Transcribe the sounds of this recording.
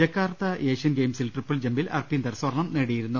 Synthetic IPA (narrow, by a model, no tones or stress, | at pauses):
ɐkːaːrt̪ːɐʔeːʂiɐnɡejmsilʈripːɐld͡ʑembilɐ̰rpind̪ɐrsʋɐrɳɐmneːɽijiɾunːu